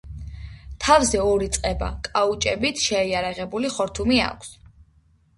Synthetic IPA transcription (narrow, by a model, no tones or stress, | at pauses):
t̪ʰavzɛɔɾit̪sʼqʼɛba̰kʼaut͡ʃʼɛbit̪ʰʃɛːaɾaʁɛbuliχɔɾt̪ʰumia̰kʷʰs